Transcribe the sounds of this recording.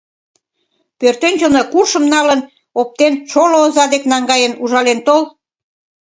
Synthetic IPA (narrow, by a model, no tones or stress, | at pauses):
pørt̪ønʲt͡ɕəlnəkurʃə̆mnɑlən | op̚t̪ent͡ɕoloːzɑd̪eknɑŋɡɑjənuʒɑlent̪ol